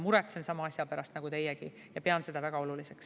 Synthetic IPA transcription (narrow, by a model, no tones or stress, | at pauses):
muɾek̪sensɑmɑɑsʲjɑpæɾɑst̪nɑɡut̪e̞jeɡ̥i | jɑpeɑnse̞d̪̥ɑvæɡ̥ɑo̞lulise̞ks